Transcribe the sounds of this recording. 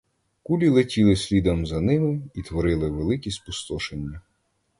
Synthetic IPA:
kulʲilˠetʲilˠɪsʲlʲid̪ɐmzɐnɪmɪit̪ʋɔɾɪlˠɪʋelˠɪkʲisʲpʊst̪ɔʃenʲːɐ

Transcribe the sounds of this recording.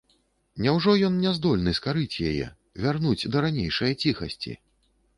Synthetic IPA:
nʲɛwʐɔjɔnnʲɛzd̪ɔlʲnɨskaɾɨt͡sʲja̰jɛ̰ | vʲarnud͡zʲd̪ɐɾanʲejʂɐjɐt͡sʲixɐsʲt͡sʲḭ

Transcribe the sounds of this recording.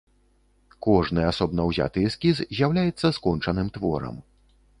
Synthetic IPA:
kɔʐnɨasɔbnɐwzʲa̰t̪ɨskʲizzʲjawlʲajɛt̪sːɐskɔnt͡ʂɐnɨmt̪vɔɾɐ̰m

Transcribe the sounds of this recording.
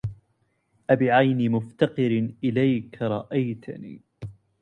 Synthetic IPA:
ʔabɪʕajnimʊft̪ɑqɨɾʔɪlajkɾˤɑʔajt̪ʰanḭː

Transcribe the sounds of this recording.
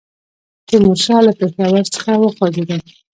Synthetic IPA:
d̪̥əmuʃɑlapexawaɾsə̥xawəxwɑɡed̪a

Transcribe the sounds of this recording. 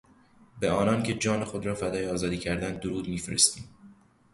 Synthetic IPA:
beɒːnɒːncʰe̞d͡ʒɒːnexod̪ɾɒːfæd̪ɒːjeɒːzɒːd̪iːcʰæɾd̪ænd̪̚ːoɾuːd̪miːfeɾḛst̪iːm

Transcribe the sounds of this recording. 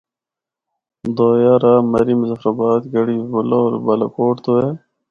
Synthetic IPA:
d̪oːjaɾamɐɾimuzɐfɾɐbaːt̪ɡɐɽibulooːɾbɐlɐ̰koːʈt̪oe

